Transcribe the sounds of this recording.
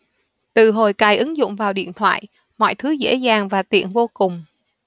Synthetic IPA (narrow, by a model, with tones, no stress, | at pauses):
t̪ɨ˨˩ɦo˨˩jkaː˨˩jʔɨ˨˦ŋzʊ̰˧˨ŋ͡mvaː˨˩wɗḭ˧˨ənt̪ʰwa̰ː˧˨j | mɔ̰˧˨jt̪ʰɨ˨˦zḛ˧˥zaː˨˩ŋvaː˨˩t̪ḭ˧˨ənvo˧kʊ˨˩ŋ͡m